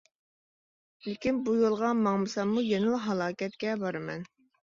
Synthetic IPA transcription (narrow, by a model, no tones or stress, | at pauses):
lɪkʲinbujolˠʁɑmɑŋmɨsɑmːujenɨlˠɦɑlˠɑːkʲɛt̪kʲɛbɑɾɨmɛn